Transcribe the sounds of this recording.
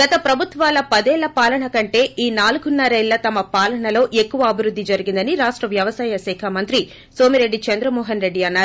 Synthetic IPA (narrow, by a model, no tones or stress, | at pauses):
ɡ̥ɐt̪ɐpɾɐbʱut̪ʋaːlɐpɐd̪ɛːɭːɐpaːlɐɳɐkɐɳʈe̞ːʔiːnaːluɡunːɐɾeːlːɐt̪ɐmɐpaːlɐɳɐlo̞ːʔe̞kːuʋɐːbʱiɾud̪ːid͡ʒɐɾiɡind̪ɐniɾaːʂʈɾɐʋjɐʋɐsaːjɐsɛːkʰɐmɐnt̪ɾi | so̞ːmiɾe̞ɖːit͡ʃɐnd̪ɾɐmɔːɦɐnɾe̞ɖːiɐnːaːɾu